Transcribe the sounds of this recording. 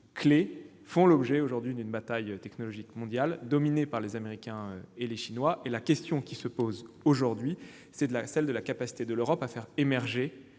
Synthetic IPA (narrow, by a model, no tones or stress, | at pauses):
kle | fɔ̃lɔbʒɛoʒuʁd̪ɥid̪ynbat̪ajøt̪ɛknɔlɔʒikmɔ̃d̪jald̪ɔminepaʁlezameʁikʲɛ̃øeleʃinwaʔelakʲɛst̪jɔ̃kʲisəpozoʒuʁd̪ɥi | sɛd̪lasɛld̪əlakapasi̥t̪ed̪əløʁɔpafɛʁemɛʁʒe